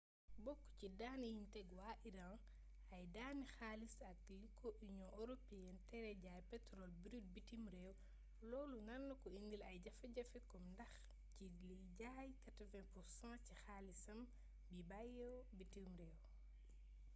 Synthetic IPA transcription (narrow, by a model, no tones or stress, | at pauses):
bɔkːcidaːnijimtɛɡwaːʔiɾã | ɐjdaːnixaːlisɐk̚likʰɔʔiɲɔ̃ʔɔɾɔpijɛntɛɾɛɟaːjpɛtɾɔlbiɾid̚bitimɾɛːw | lɔːlunɐnːɐkɔindilɐjɟɐfɐɟɐfɛkɔmndɐx | ciliɟaːjkɐtɐvɛ̃puɾsãːcixaːlisɐm | bibajɔbitimɾɛːw